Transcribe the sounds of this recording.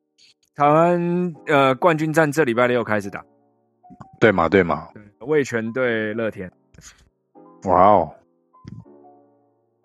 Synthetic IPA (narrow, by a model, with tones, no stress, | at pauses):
t̪ʰa˧˥ɪwa˦nə˧kwa˥˨nt͡ɕy˥nt͡sa˥˧nʈ͡ʂɤ˥˨˩li˨˩pa˥˩ɪə˧˥jo˨˩kʰa˥ɪʂɻ̩˨˩t̪a̰˨˩˦ | t̪we˥˩ɪma̰˨t̪we˥˩ɪma̰˨˩t̪we˥˩we˥˩ɪt͡ɕʰɥɛ˧˥nt̪̬we˥˧ɪlɤ˥˨t̪ʰjɛ˥n | wa˥˩ʊ